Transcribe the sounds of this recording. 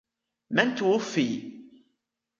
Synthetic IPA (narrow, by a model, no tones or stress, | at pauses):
mænt̪wʊfːi